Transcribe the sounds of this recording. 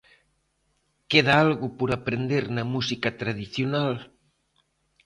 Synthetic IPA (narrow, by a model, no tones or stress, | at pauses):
keðaalɣʊpoɾapɾend̪eɾnɐmusikɐt̪ɾaðiθjonal